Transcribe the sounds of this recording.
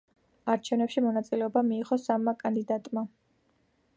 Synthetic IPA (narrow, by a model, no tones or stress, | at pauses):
aɾt͡ʃʰɛvnɛpʃimɔnat̪sʼilɛɔbamiːʁɔsamːakʼand̪id̪at̪ʼma